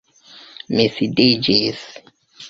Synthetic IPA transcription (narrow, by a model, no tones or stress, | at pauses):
misidid͡ʒis